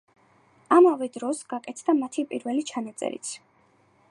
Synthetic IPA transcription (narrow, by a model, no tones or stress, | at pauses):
amavɛd̪ɾɔsɡakʼɛt̪ʰd̪amat̪ʰipʼiɾvɛlit͡ʃʰanat̪sʼɛ̰ɾḭt̪sʰ